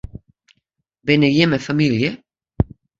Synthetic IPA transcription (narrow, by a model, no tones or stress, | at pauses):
bɛnejɛməfamiljə